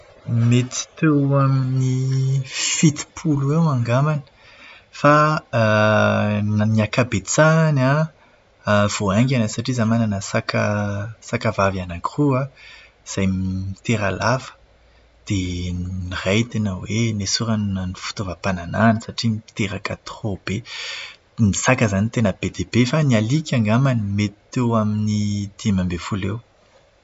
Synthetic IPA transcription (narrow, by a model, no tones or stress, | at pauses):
met̪i̥t̪ewamini | fit̪i̥pʰuluewaŋɡamanə̥ | fa | nniakabet͡sana | v̥oaŋɡʲanəsaʈ͡ʂizamananəsakʰəsakavavanakrua | z̥ajmmit̪eɾalav̥ə̥ | d̪̥enirajt̪inəwenesuɾannifu̥t̪ovəpanananəsaʈ͡ʂimi̥t̪eɾakat̪rob̥e | misakəzanit̪enəb̥ed̪eb̥efanialikʲaŋɡamanimet̪i̥t̪ewaminid̪̥imambefulew